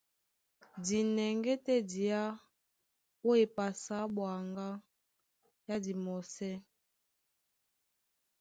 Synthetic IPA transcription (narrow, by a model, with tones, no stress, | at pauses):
di˨nɛ˨ŋɡɛ˦tɛ˦di˨a˦ | o˦e˨pa˨sa˨˦bwa˨ŋɡa˦ | ja˦di˨mɔ˨sɛ˦